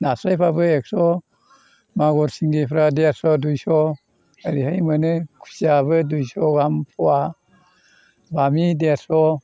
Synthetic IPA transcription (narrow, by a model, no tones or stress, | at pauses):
nasɾajpʰabɯek̚sɔ | maɡɔɾsiŋɡepʰɾadeasɔdujsɔ | aɾihajmɯnɯkʰu̥sabɯdujsɔɡampʰɔa | bamideasɔ